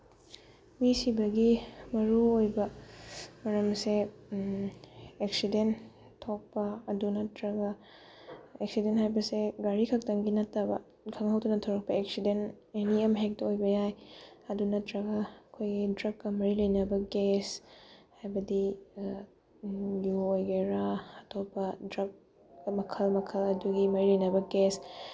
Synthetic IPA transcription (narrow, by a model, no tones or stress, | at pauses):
wisibɐɡimɐɾuojbɐ | mɐɾɐmse | ek̚siden | tʰːok̚pɐɐdunɐtɾɐɡɐ | eksidenthajbɐseɡaɾikʰɐk̚tɐŋɡinɐtːɐbɐ̰ | kʰɐŋhɐwtunɐtʰɐwɾɐk̚pɐeksiden | eniɐmɦek̚tɐojbɐjajɐdunɐtɾɐɡɐkʰojɡidɾɐkːɐmɐɾilɐjnɐbɐɡeshajbɐdi | juojɡeɾaɐtʰoppɐdɾɐk̚ | mɐkʰɐlmɐkʰɐlɐduɡimɐɾilɐjnɐbɐɡes